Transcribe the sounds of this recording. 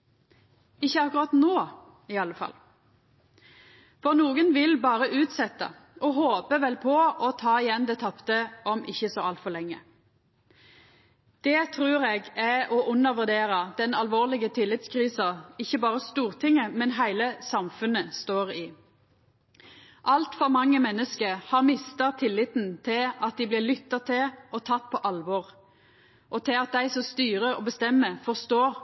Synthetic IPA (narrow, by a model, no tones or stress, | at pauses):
ɪçːəɑkʊʁɑt̪noː | ɪɑləfɑ̰l | fɔʁnuːɡənʋɪlbɑːʁəʔʉːt̪sɛt̪ːə̰ | ɔɦoːpəʋɛlpʰɔɔt̪ʰɑːɪjɛnd̪ɛt̪ʰɑpt̪əʔɔmɪçːəsɔɑlt̪fɔʁlɛŋːə̰ | d̪̥ɛt̪ʰʁʉːʁeːɡæɔʔʉnːəʁʋʉʁd̪eːʁəd̪̥ɛnɑlʋoːʁlɪɡət̪ʰɪlːɪt̪skʰʁiːsɑɪçːəbɑːʁəst̪uːʁt̪ʰɪŋəmɛnɦæɪləsɑmfʉnəst̪oːʁɪː | ʔɑlt̪fɔʁmɑŋːəmɛnːəskəhɑʁmɪst̪ɑt̪ʰɪlːɪt̪n̩t̪ʰɪlɑt̪̚d̪ɪblɪːʁlʏt̪ːɑt̪ʰɪlʔɔt̪ʰɑt̪ːpʰɔʔɑlʋɔʁ | ʔɔt̪ʰɪlɑt̪̚d̪æɪsɔst̪yːʁəɔbəst̪ɛmːəfɔst̪oːʁ